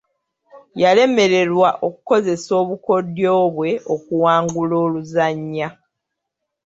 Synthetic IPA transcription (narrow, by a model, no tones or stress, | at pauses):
jale̞me̞ɾe̞ɾwaʔo̞kuko̞ze̞so̞ːβuko̞djo̞ːβwe̞okuwaːŋɡuloːluzaɲːa